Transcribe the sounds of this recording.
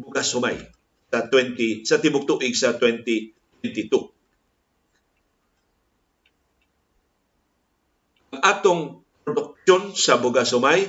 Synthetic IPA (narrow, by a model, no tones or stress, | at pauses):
bʊɡasʊma̰j | sat̪wɛnt̪isɐt̪ɪmʊk̚t̪uʔɪɡsɐt̪wɛnt̪it̪wɛnt̪ɪt̪u | aŋʔaːt̪oŋpɾod̪ʊk̚ʃonsɐbʊɡasʊmaj